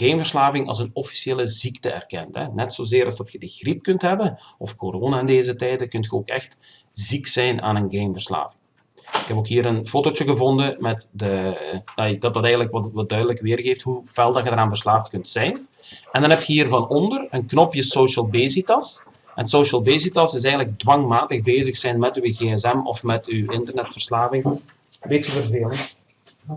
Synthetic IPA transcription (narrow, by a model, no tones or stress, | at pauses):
ɡ̥eːmvərslaːvɪŋɑ̰lˠzənɔfi̥sieːləziktəɛ̰rkɛ̰ntɦɛ̰nɛtsoːzeːɾɑlˠzdɑtxədiɣrip̚kɵntɦɛbənɔfkoɾoːnaɪndeːzətɛjdəkɵntxəoːkɛ̰xt | ziksɛjna̰ːnənɡemvərsla̰ːvɪŋ | ɪkɦɛpoːkɦiːɾənfoːtot͡ʃəɣəvɔndəmɛtdədadɑtɑtɛɣətləkʋɑʋɑdœɥdələkʋɪːrɣeːftɦuv̥ɛlˠdɑxədəɾaːnvərslaːftkɵntsɛjn | ɛndɑnɦɛptxəɦiːrvɑnɔndərənknɔpjəsoːʃəlˠbeːsitɑs | ɛnsoːʃəlˠbeːsitɑsɪs̬ɛjɣəntləɡ̚dwɑŋmaːtəɣbeːzəxsɛjnmɛtyəɣeːɛzɛmɔ̰fmɛtywɪntərnɛtfərslaːvɪŋ | ʋeːtəvərveːlˠə